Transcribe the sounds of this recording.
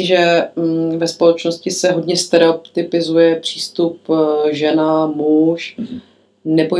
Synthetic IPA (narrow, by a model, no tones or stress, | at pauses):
ɪʒɛ | vɛspolɛt͡ʃnoscɪsɛɦo̞dɲɛst̪ɛɾopt̪ɪpɪzujɛpr̝̥iːst̪upʒɛnamuʃ | nɛbo